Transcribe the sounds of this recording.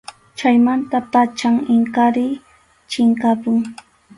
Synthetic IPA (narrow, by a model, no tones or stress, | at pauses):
t͡ʃajmant̪apat͡ʃaŋɪŋkaɾɪ | t͡ʃɪŋkapʊŋ